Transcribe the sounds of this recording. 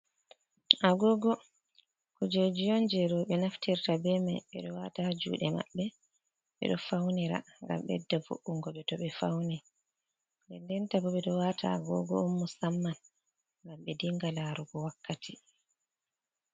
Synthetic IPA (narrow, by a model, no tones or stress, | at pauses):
ʔaɡɔɡɔ | kɔd͡ʒod͡ʒijɔnd͡ʒɛɾɔɓɛnaftiɾtabɛmajɓɛ̰ɗɔwatad͡ʒṵːɗɛma̰ɓːɛ | ɓɛ̰ɗɔfawniɾa̰ŋɡa̰mɓɛ̰dːavṵʔuŋɡɔɓɛtɔɓɛfawni | ndɛndɛntabɔɓɛɗɔwatʰa̰ɡɔ̰ɡɔ̰ɔmːusamːan | ŋɡamɓɛdiŋɡalaɾuɡɔwakːatʰi